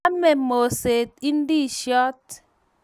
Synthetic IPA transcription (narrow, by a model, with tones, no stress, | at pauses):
mɛ˨mo˨se˨t̚i˦n̩˦di˦˨ʃɔ˦t̚